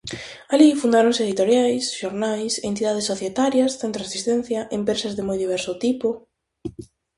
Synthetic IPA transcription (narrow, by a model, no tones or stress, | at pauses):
alifund̪aɾõŋsɪeðit̪oɾjajsʃoɾnajsent̪iðað̞ɪsːoθjet̪aɾjɐsθent̪ɾoresist̪ɛ̃n̟θjɐʔempɾesɐzðɪmojðiβɛɾsʊt̪ipʊ